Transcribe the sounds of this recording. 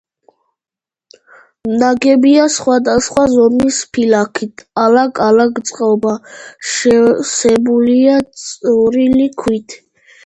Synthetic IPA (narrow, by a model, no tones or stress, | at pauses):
mnaɡɛbiasχwad̪asχwazɔmispʰilakʰit̪ʰalaɡʼalaɡt̪sʼqʼɔbaʃɛsɛbuliat̪sʼɔɾilikʰwit̪ʰ